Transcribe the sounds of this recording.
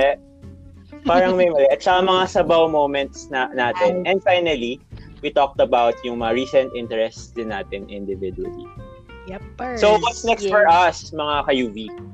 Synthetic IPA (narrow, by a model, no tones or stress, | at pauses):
ɛ | paːɾɐŋmɐjmɐlɛʔɐt̪̚t͡ʃɐkamɐŋasɐbawmowmɛ̃nt̪snanaːt̪ɪnʔɛ̃nd̪fajnɐliwit̪ɔk̚t̪ɐbawt̪jʊŋmɐŋaɹiːsɐ̃nt̪ʔɪnt̪ɛɾɛst̪sd̪ɪnːaːt̪ɪnʔɪ̃nd̪ɪvɪd̪wɐ̰lḭ | sowɐt̪snɛkst̪fɔɹʔɐsmɐŋakɐjuːvi